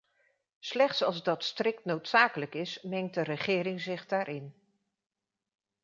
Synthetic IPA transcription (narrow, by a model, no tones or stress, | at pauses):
slɛχtsɑlˠzdɑtstrɪk̚tnowtsaːkələkɪsmɛŋt̚dərəχɪːɾɪŋzɪχdaːɾʔɪn